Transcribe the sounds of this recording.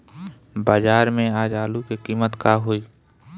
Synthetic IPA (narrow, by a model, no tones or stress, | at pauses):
baːd͡ʒaːɾmẽaːd͡ʒaːlukekiːmət̪kaɦoːi